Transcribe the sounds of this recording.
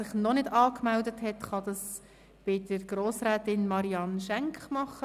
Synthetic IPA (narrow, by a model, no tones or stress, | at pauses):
sɪχnɔnɪdɑːkmɛldəthɛtχɑd̥̪ɑs | b̥ɪd̥əɾɡ̥ɾoːsrɛːtɪnmɑɾiɑnʃɛŋkχmɑχə